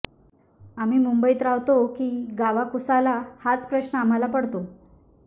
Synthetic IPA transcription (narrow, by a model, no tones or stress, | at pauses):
am̤iːmumbəiːt̪ɾaʋt̪okiːɡaʋakusalahat͡spɾəɕɳəam̤alapəɽt̪o